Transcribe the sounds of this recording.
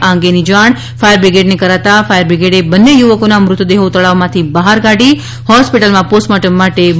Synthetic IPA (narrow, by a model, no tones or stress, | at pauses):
ãŋɡenid͡ʒaɳ̃ | fajəɾbɾiɡeʈnekəɾat̪afajəɾbɾiɡeʈebənːejuʋəkonamɾʊt̪ud̪eɦot̪əɭaʋmãt̪ʰibəɦaɾkaɽi | hɔspiʈəlmãposʈmaʈəmːaʈe